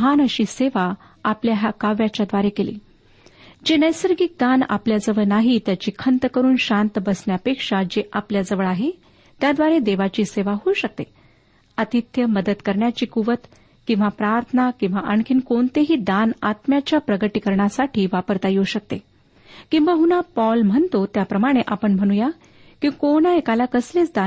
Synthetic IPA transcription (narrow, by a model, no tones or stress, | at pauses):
ɦanəɕiːseʋa | apljaɦakaʋjat͡ɕjad̪ʋaɾekelḭː | d͡ʑenəjsəɾɡiːk̚d̪ana̰pljad͡zəʋəɭnaɦit̪jat͡ɕiːkʰənt̪əkəɾuːnɕant̪əbəsɳjapekʂad͡ʑeʔapljad͡zəʋəɭaɦe | t̪jad̪ʋaɾed̪eʋat͡ɕiːseʋaɦuuɕək̚t̪e | ət̪it̪jəməd̪əd̪kəɾɳjat͡ɕiːkuʋət̪ | kĩw̃ʋapɾaɾt̪ʰənakĩw̃ʋaʔankʰinkoɳt̪eɦiːd̪anat̪mjat͡ɕjapɾəɡəʈiːkəɾɳjasaʈʰiːʋapəɾt̪ajoɕək̚t̪e | kĩw̃ʋaɦunapɔlm̤əɳt̪ot̪japɾəmaɽ̃eʔapəɳm̤əɽ̃uja | kĩkoñaekalakəsleːt͡sd̪a